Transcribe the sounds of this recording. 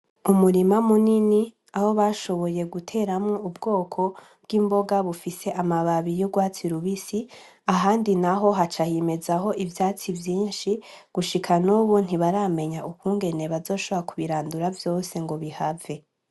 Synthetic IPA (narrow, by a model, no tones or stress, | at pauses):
umuɾimamunini | aho̞βaʃo̞βo̞je̞ɡutʰe̞ːɾamŋoubɡo̞ːkʰo̞ | b̥̚ɡimbo̞ɡaβufise̞ʔamaβaβijoɡwaːt͡siɾuβisi | aɦaːndinaɦo̞ɦat͡ʃahime̞zaɦo̞ʔivjaːt͡sivjiːnʃi | ɡ̥uʃikʰanuβun̥hiβaɾaːme̞ɲaukuːŋɡe̞ne̞βazo̞ːʃoβoɾakuβiɾaːnduɾavjo̞ːse̞ŋɡo̞βihave̞